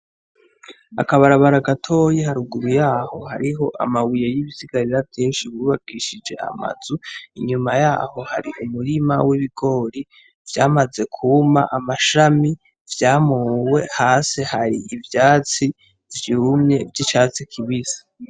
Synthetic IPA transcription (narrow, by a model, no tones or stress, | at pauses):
a̰kaβaɾaβaɾaɡatʰo̞jihaɾuɡuɾujaːho̞ha̰ɾiɦo̞ʔa̰mawijejiβisiɡaɾiɾavjeːnʃiβuβaɡiʃid͡ʒe̞̰a̰ma̰z̥uiɲumajaːho̞ha̰ɾiʔumuɾimawiβiɡo̞ːɾi | v̥jaːmaze̞kʰuma̰ʔamaʃami | vjaːmuːwe̞haːse̞haɾiʔivjaːt͡si | vjumɲe̞vɟit͡ʃaːt͡sikʰiβizḁ